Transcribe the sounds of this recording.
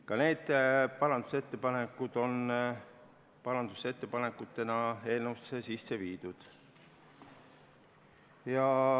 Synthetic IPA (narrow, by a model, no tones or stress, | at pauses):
kɑne̞ːd̪̥pɑɾɑnd̪̥u̥se̞t̪ːe̞pɑnekːˑud̪̥o̞n | pɑɾɑnd̪use̞t̪ːe̞pɑne̞kːˑut̪ːe̞nɑe̞ːlnuust̪sesisːe̞viːd̪̥ud̪̥ | jɑ